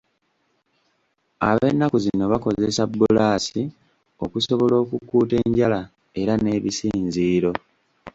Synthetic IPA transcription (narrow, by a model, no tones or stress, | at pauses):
a̰βenːakuzino̞βako̞ze̞sabːolaːsi | o̞kuso̞βo̞lo̞ːkukːuːte̞ːɲɟala | e̞ɾane̞ːβisiːnziːɾo̞